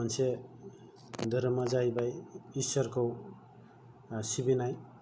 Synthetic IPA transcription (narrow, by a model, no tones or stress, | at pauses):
ʌnsʰe | d̪ʱʌɾmʌd͡ʒajbajisʌɾko | sibinaj